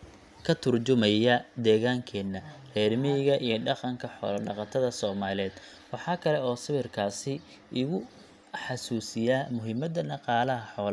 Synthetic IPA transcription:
kʰɐt̪ʰʊrt͡ʃʊmɐjɐd̪ɛːɣaːŋkʰɛːnːɐrɛːrmɪɪɣɐʔijɞɖɑqɑŋkʰɐħɔ̰ːlɐɖɑqɑt̪ʰɐðɐsɔːmaːlɛːd̪ | wɑħɑːkʰɐlɛɔːsɐβɪrkʰaːsɪ | ɪɣʊ | ħɑsuːsɪjaːmʊɦɪmɐd̪ɐnɑqɑːlɐɦɐħɔːl

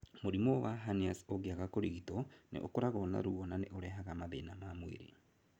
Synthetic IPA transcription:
moɾimowaɦaniasoɣiaɣakoɾiɣitɔnḛʔokoɾaɣɔna̰ɾuɔnaneʔoɾɛɦaɣamaðenamamwḛɾḛ

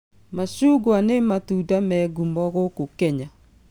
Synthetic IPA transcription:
maʃuɡwanematudamɛɡumɔɣokokɛɲa

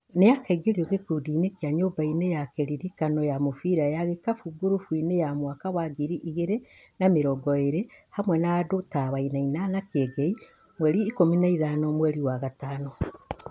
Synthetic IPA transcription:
nejakaiɡeɾioɣekudiːnekiaɲoːbainejakeɾiɾikanɔjamofiːɾajaɣekafuɡuɾufwinejamwakawaɡiɾiʔiɣeɾenameɾɔɡɔeɾehamwɛnaːdotaβainainanakeɡei | mwɛɾiːkominaiðaːnɔmwɛɾiwaɣataːnɔ

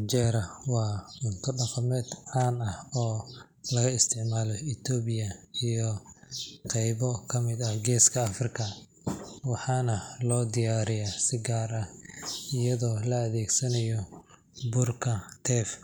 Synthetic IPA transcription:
t͡ʃɛɾɐwɑːʊnt̪ʰɔɖɐqɐmɛːd̪ʕaːnɐhɔː | lɐɣɐɪst̪ʰɪʕmaːlɔɪt̪ʰɔːβɪjɐijɔ | qɛjβɔkʰɐmɪd̪ɐhɡɛːskʰɐːfrɪkʰɐ | wɑħɑːnɐlɔːd̪ɪjaːɾɪjasɪɡaːrɐhɪjɐðɔːlɐːðɛːɡsɐnɐjɔ | bʊrkʰɐt̪ʰɛːf

